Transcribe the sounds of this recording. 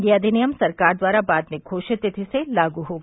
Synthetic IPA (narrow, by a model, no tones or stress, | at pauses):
ɡiɐd̪ʱinijəmsɐɾkaːɾd̪ʋaːɾabaːd̪mẽkʰoːʃet̪ɪt̪ʰiselaːɡuɦoːɡ